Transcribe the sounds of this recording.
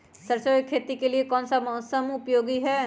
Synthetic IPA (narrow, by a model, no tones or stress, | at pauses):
səɾt͡ʃoekʰːeːt̪ikeliekɔːnsamɔsəmʊpjoːɡiɦɛː